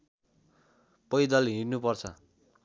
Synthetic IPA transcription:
pʌjd̪ʌlɦirnupʌrt͡sʰʌ̰

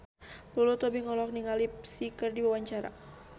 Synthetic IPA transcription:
lulut̪ɔbiŋɔlɔk̚niŋalipsikərdiwawaɲt͡ʃaɾa̰

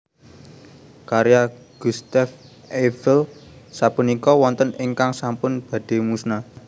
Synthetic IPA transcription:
kaɾja | ɡ̥ust̪af | efɛlsapunikɔwɔnt̪əniŋkaŋsampʊnb̥a̤d̪̥e̤musna

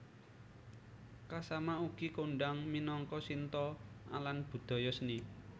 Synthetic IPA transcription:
kasamauɡ̥ikoɳɖaŋminɔŋkɔsint̪ɔa̰lanb̥ṳd̪̥ɔ̤jɔsni

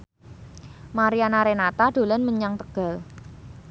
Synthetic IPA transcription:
maɾianaɾenat̪aɖ̪̥o̤lanməɲaŋt̪əɡ̥a̤l

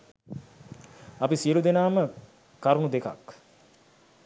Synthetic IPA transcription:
ɐpisijəlud̪enaːmə | kaɾunud̪eka̰k

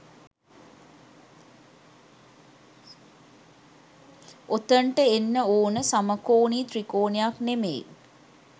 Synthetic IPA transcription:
ot̪əɳʈəenːəoːnəsaməkoːniːt̪ɾikoːnejaknemḛː

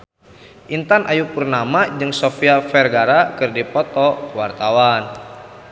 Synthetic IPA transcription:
ʔint̪anʔajupurnamad͡ʒɨŋsofiafɛrɡaɾakɨrdipɔt̪ɔkəwart̪awan

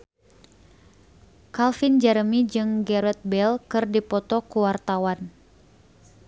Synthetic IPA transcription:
kalfind͡ʒəɾəmid͡ʒɨŋɡɛɾɛt̪̚bɛlkɨrdipɔt̪ɔkuwart̪awan

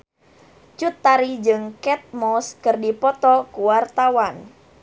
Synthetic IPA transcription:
t͡ʃut̪ːaɾid͡ʒɨŋkɛt̪̚mɔskɨrdipɔt̪ɔkuwart̪awan

